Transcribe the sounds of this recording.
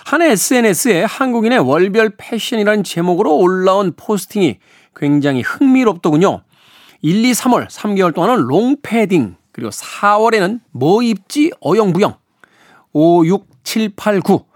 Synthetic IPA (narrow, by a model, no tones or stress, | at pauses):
haneːs͈ʰɯene̞s͈ɯe̞hanɡuɡine̞wʌɭbjʌɭpʰeɕ͈ʰʌɲiɾanɯnt͡ɕe̞moɡɯɾoːɭːaunpʰosʰɯ̥tʰiŋḭ | kwe̞ŋd͡ʑaŋihɯŋmiɾʌp̚t͈ʌɡuɲo̰ | iʎːisʰamwʌɭsʰamɡewʌɭt͈oŋanɯnɭoŋpʰe̞diŋkɯɾiɡo̰sʰawʌɾe̞nɯnmʌip̚t͡ɕ͈iʌjʌŋbujʌŋ | ojuk̚t͡ɕʰiɭpʰaɭɡu